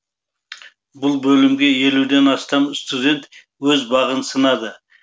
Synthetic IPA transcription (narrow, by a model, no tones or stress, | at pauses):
bʊlˠbɵlɪmɡʲe̞je̞lud̪e̞nɑst̪ɑmst̪ud̪ʲe̞nt̪ | wɵzbɑʁənsənɑd̪ə